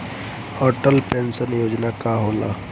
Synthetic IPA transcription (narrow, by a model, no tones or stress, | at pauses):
ɔʈəlpẽnsənjoːd͡ʒnakaɦoːla̰ː